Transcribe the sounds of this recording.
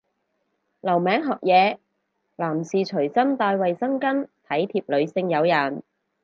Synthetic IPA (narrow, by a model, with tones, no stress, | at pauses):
lɐ˨˩wmɛː˨˥ŋɦɔː˨k̚jɛː˨˧ | laː˨˩msiː˨t͡ʃʰɵ˨˩ɥsɐ˥mt̪aː˧jwɐ˨jsɐ˥ŋkɐ˥nt̪ʰɐ˨˥jt̪ʰiː˧p̚lɵ˨˧ɥsɪ˧ŋjɐ˨˧wjɐ˨˩n